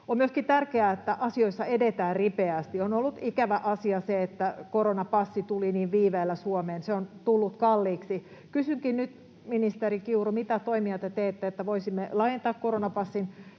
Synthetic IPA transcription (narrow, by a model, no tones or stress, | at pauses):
ommyøskit̪ærkeæet̪ːæʔɑsioisːɑedet̪æːrripeæst̪ionolːut̪ikæʋæʔɑsiɑseet̪ːækoɾonɑpɑsːit̪uliniːʋʋiːʋeːlːæsuomeːnseont̪ulːut̪kɑlːiːksi | kysyŋkinnyt̪ | minist̪eɾikiurumit̪æt̪oimiɑt̪et̪eːt̪ːeet̪ːæʋoisimːelɑjent̪ɑːkkoronɑpɑsːin